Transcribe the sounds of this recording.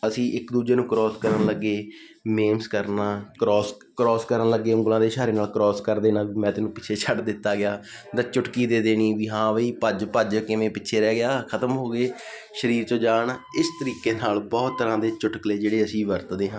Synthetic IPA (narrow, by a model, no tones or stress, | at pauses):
əsĩːʔɪkd̪uːd͡ʒeːnũːkɾɔːskəɾənləɡːeː | meːmskəɾnaːkɾɔːs | kɾɔːskəɾənləɡːeːʊ̃ŋɡəlãːd̪eːʃaːɾeːnaːlkɾɔːskəɾd̪eːnãːʋiːmɛ̃ːt̪ɪːnũːpɪːt͡ʃʰeːt͡ʃʰəɖd̪ɪt̪ːaːɡɪjaː | d̪ət͡ʃʊʈkiːd̪eːd̪eːniːʋiːɦãːʋiːpəd͡ʒpəd͡ʒkɪmẽːpɪːʃʰeːɾɛːɡɪjaːkʰət̪əmɦoːɡeː | ʃəɾiːɾt͡ʃõːd͡ʒaːɳɪst̪əɾiːkeːnaːlbɔːt̪ːəɾãːd̪eːt͡ʃʊʈəkleːd͡ʒeːɽeːəsĩːʋəɾt̪d̪eːɦã